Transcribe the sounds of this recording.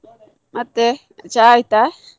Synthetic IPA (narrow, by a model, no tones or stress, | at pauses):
mʔat̪e | t͡ʃajt̪a